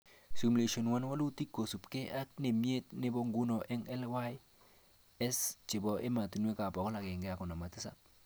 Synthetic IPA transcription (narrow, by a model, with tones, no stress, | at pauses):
su˨m˨le˨ʃo˨nwa˦n˦wa˦lu˦ti˦kːo˨su˨pke˦ʔa˦k̚ne˨mje˦t̚nɪ˦bɔ˦ŋɡu˦nɔ˨ʔɛ˦ŋɛ˦lwa˦j | ɛ˦st͡ʃɪ˨bɔ˨ʔe˦ma˨tu˨nwe˦ka˨pɔ˨kɔ˦la˨ke˨ŋɡɛ˦a˨kɔ˨na˨ma˨tɪ˦sa̰˦p̚